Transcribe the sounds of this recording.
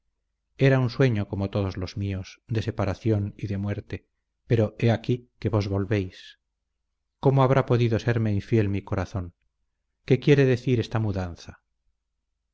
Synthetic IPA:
e̞ɾaunswe̞ɲo̞ko̞mo̞t̪o̞ðozlo̞zmiosd̪e̞se̞paɾaθjoniðe̞mwe̞ɾt̪e̞ | pe̞ɾo̞e̞akike̞βo̞zβo̞lβe̞js | ko̞moaβ̞ɾʔapo̞ðiðo̞se̞ɾme̞iɱfje̞lmiko̞ɾaθo̞ŋ | ke̞kje̞ɾe̞ðe̞θiɾe̞st̪amuðanθa

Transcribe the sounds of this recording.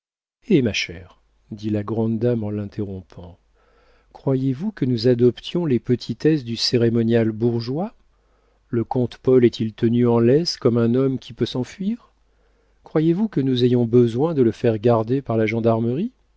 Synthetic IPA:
emaʃɛʁ | d̪ilaɡʁɑ̃d̪d̪amɑ̃lɛ̃t̪ʰeʁɔ̃pʰɑ̃ | kχwajevukənuzad̪ɔpt̪ʰjɔ̃lepət̪ʰit̪ɛsd̪yseʁemɔnjalbuʁʒwa | ləkɔ̃t̪pɔlɛt̪ʰilt̪ənyɑ̃lɛskɔmɛ̃nɔmkʲipøsɑ̃fɥiːʁ | kχwajevukənuzejɔ̃bəzwɛ̃d̪ələfɛʁɡaʁd̪epaʁlaʒɑ̃d̪aʁməʁi

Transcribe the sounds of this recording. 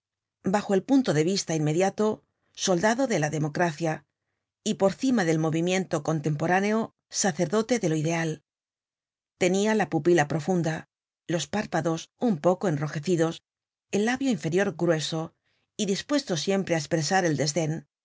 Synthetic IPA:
baxo̞e̞lpunt̪o̞ðe̞β̞ist̪ainme̞ðjat̪o̞ | so̞ld̪aðo̞ðe̞laðe̞mo̞kɾaθja | ipo̞ɾθimaðe̞lmo̞β̞imjẽ̞nt̪o̞ko̞nt̪e̞mpo̞ɾane̞o̞ | saθe̞ɾðo̞t̪e̞ðe̞loiðe̞al | t̪e̞nialapupilapɾo̞fund̪a | lo̞spaɾpaðo̞sumpo̞ko̞e̞nro̞xe̞θiðo̞s | e̞lːaβjo̞iɱfe̞ɾjo̞ɾɡɾwe̞so̞ | iðispwe̞st̪o̞sje̞mpɾe̞aespɾe̞saɾe̞ld̪e̞zðe̞n

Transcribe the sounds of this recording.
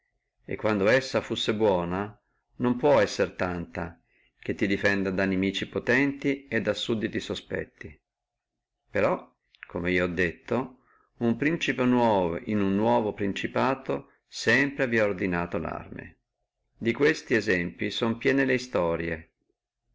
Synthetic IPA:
ḛkːwand̪oɛsːafusːebwɔːna | nompwɔɛsːert̪ant̪a | k̟et̪ːid̪ifɛnd̪ad̪anemiːt͡ʃipot̪ɛnt̪ied̪ːasːud̪ːit̪isospɛ̰t̪ːi | peɾɔ | kʰomeiːoɔd̪ːet̪ːo | umpɾint͡ʃipenwɔːvo̰ʔinunːwɔːvopɾint͡ʃipaːt̪o | sɛmpɾevjɛord̪inaːt̪ola̰rmḛ | d̪ikwest̪iezɛmpisompjɛːneleist̪ɔːɾje

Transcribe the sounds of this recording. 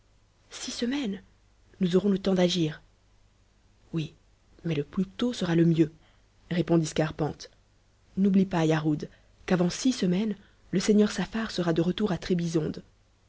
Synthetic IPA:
sisəmɛn | nuzɔʁɔ̃lət̪ɑ̃d̪aʒiːʁ | wi | mɛləplyt̪osəʁaləmjø | ʁepɔ̃d̪iskaʁpɑ̃t̪ | nublipajaʁud̪ | kavɑ̃sisəmɛn | ləsɛɲœʁsafaʁsəʁad̪əʁət̪uʁat̪χebizɔ̃d̪

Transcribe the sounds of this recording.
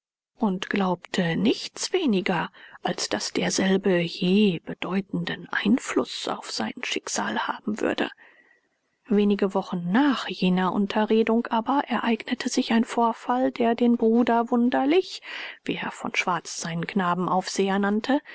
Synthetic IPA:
ʔʊntɡ̥laʊptʰənɪçt͡sv̥eːnɪɡɐʔalsd̥asd̥eːɐzɛlbəjeːb̥əd̥ɔʏtn̩dənʔa̰ɪnflʊ̰sa̰ʊfz̥a̰ɪnʃɪkz̥aːlha̰ːbm̩vʏ̰ɐdə̰ | veːnɪɡəvɔχn̩ːaːχjeːnɐʔʊ̰ntʰɐʁeːdʊŋkʔaːbɐʔɛɐʔaɪɡnətʰəzɪçaɪnfoːɐfaldeːɐdeːnbʁuːdɐvʊndɐlɪçv̥iːeːɐfɔ̰nʃv̥aɐt͡sz̥aɪnənkʰnaːbm̩ʔaʊfz̥eːɐnantʰə

